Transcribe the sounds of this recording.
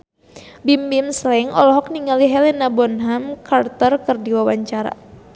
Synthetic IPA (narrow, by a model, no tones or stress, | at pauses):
bimbimslɛŋɔ̰lɔɦɔk̚niŋaliɦɛlɛnabɔnɦamkart̪ərkɨrdiwawaɲt͡ʃaɾa̰